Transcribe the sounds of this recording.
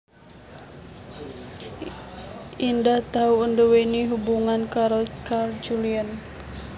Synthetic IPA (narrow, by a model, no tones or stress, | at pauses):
indaht̪auəndəweniɦubuŋankaɾokard͡ʒulian